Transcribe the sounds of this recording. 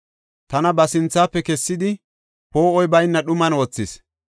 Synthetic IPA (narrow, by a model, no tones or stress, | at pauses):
t̪ɐnɐbɐsɪnt͡sːaːpːɛkɛsːɪd̪ɪ | po̞ːɔjbɐjnːɐɗʊmɐnoːt͡sːɪs